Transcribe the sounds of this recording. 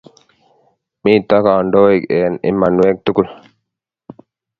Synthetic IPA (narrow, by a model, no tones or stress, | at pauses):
mĩːt̪akaːɳɖoːikeːnḭmːanuweːk̚t̪ukul